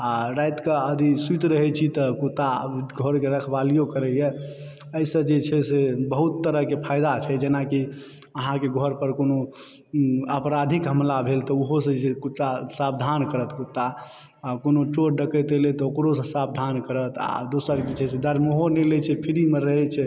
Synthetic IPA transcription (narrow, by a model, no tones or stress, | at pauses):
aɾajt̪kəəd̪ʱisut̪ɾəɦɛt͡ʃʰit̪ɔkut̪ːa̰ɡʱoɾkeɾəkʰbalijokəɾəjɛ | əsə̃d͡ʒet͡ʃʰɛsebəɦut̪ːəɾəɦkepʰajd̪at͡ʃʰɛd͡ʒenaki | əɦãkeɡʱɔɾpəɾkono | əpɾad̪ʱikɦəmlabʱelt̪ɔuɦosə̃d͡ʒekut̪ːasab̚d̪ʱankəɾət̪kut̪ːa | akonot͡ʃoɾɖəkət̪elet̪ɔokɾosə̃sab̚d̪ʱankəɾət̪a̰d̪osəɾd͡ʒet͡ʃʰɛsed̪əɾmoɦonelɛt͡ʃʰɛpʰiɾimeɾəɦɛt͡ʃʰɛ